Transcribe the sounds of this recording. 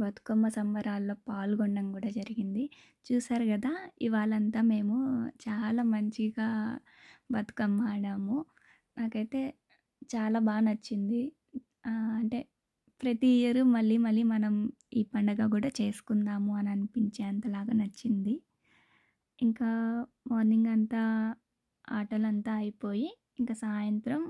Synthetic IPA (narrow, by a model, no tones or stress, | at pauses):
bɐt̪u̥kɐmːɐsɐmʋɐɾaːlːo̞ːpaːlɡɔɳɖɐmkuːɽaːd͡ʒɐɾiɡind̪i | t͡ʃuːsaːɾuɡɐd̪aːiʋaːɭɐnt̪aːme̞ːmut͡ʃaːlaːmɐɲt͡ʃiɡaː | bɐt̪u̥kɐmːaːɽaːmu | naːkɐjt̪e̞ː | t͡ʃaːlaːbaːnɐt͡ʃːind̪i | ɐɳʈe̞ː | pɾɐt̪ijɐɾumɐɭːiːmɐlːiːmɐnɐm | iːpɐɳɖɐɡaːkuːɽaːt͡ʃe̞ːsu̥kund̪aːmuɐnɐnipiɲt͡ʃeːɐnt̪ɐlaːɡaːnɐt͡ʃːind̪i | iŋkaː | moːɾniŋɡɐnt̪aː | aːʈɐlɐnt̪aːɐjipo̞ːjiː | ŋkaːsaːjɐnt̪ɾɐm